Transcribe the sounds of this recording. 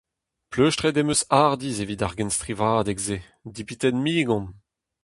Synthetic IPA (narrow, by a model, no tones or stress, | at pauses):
pløʃtʁed̪emøsaʁd̪izevid̪aʁɡɛnst̪ʁivaːd̪ɛɡze | d̪ipit̪ɛnmiːɡɔ̃n